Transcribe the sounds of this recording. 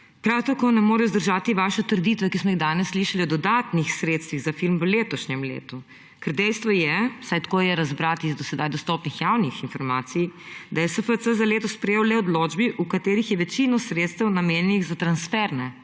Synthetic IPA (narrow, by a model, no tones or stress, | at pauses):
pɾawt̪akoːnɛmoːɾɛjɔzd̪əɾʒaːt̪iʋaʃɛt̪əɾd̪iːt̪ʋɛkismɔiɣd̪aːnɛsːliʃaliɔd̪ɔd̪at̪nixsɾeːt̪st̪ʋiɣzafilmʋəleːt̪ɔʃɲɛmlḛːt̪u | kɛɾd̪ɛjst̪ʋɔjɛwsajt̪koːjɛɾazbɾat̪izd̪ɔsɛd̪ajd̪ɔst̪ɔːpnixjawnixinfɔɾmaːt̪sijd̪ajɛsəfəsəzaleːt̪ɔspɾɛjeːwlɛɔd̪loːd͡ʒbiʔukat̪eːɾixjɛʋɛt͡ʃinɔsɾeːt̪st̪ɛwnameːnɲɛniɣzat̪ɾansfɛɾnɛ